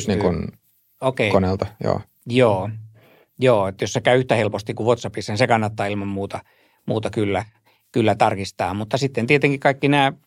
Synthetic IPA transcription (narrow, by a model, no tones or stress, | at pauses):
sniŋkun | okeˑikonelt̪ɑjo̰ː | joː | joːet̪jossekæyyht̪æhelpost̪ikuʋʋot̪sɑpisɑnisekɑnːɑt̪ːɑːilmɑmmuːt̪ɑ | muːt̪ɑkylːæ | kylːæt̪ɑrkist̪ɑ̰ːmut̪ːɑsit̪ːent̪iet̪eŋkikɑikːinæː